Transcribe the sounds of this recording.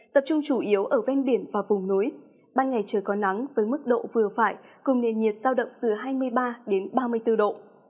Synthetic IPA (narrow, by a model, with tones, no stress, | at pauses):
t̪ə˨˩p̚t͡ɕʊ˧ŋ͡mt͡ɕu˧˩ʔi˨˦əwʔəː˧˩vɛ˧nɓi˧˩ənvaː˨˩vʊ˨˩ŋ͡mnu˨˦j | ɓaː˧nŋa˨˩jt͡ɕəː˧˩jkɔ˨˦na˨˦ŋvəː˨˦jmɨ˦˥k̚ɗo̰˧˨vɨ˨˩əfaː˧˩jkʊ˨˩ŋ͡mne˨˩nɲi˨˩t̚z̥aː˧wɗə̰˧˨wŋ͡mt̪ɨ˨˩ɦaː˧jmɨ˧əjɓaː˧ɗe˨˦nɓaː˧mɨ˧əjt̪ɨ˧ɗo̰˧˨